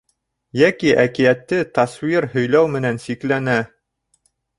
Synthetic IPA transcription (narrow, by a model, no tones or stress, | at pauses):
jækiʔækijæt̪ːɘt̪aswiɾɦɵ̆jlæwmɘ̆nænsiklænæ